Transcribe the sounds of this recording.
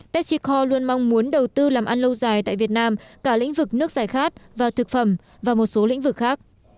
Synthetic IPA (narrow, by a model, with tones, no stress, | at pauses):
ɓɛ˦˥t̚si˧kʰɔ˧lu˧ənma˧ŋŋ͡mmu˨˦ənɗə˨˩wt̪ɨ˧laː˨˩mʔa˧nlə˧wzaː˨˩jt̪a̰ː˧˨jvi˨˩ət̚naː˧mkaː˧˩lḭ˧˥ŋ̟vɨ˨˩k̚nɨ˦˥ək̚zaː˨˩jxaː˦˥t̚vaː˨˩t̪ʰɨ˨˩k̚fə˧˩m | vaː˨˩mo˨˩t̚so˨˦lḭ̈˧˥ŋ̟vɨ˨˩k̚xaː˦˥k̚